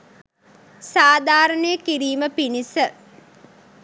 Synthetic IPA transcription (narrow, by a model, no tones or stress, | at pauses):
saːd̪ʱaːɾənəjəkiɾiːməpinisə